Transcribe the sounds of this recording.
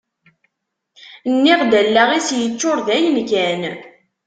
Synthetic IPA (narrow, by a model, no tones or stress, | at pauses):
nːɪʁd̪ælːaʁisjət͡ʃːoɾðæjənkæn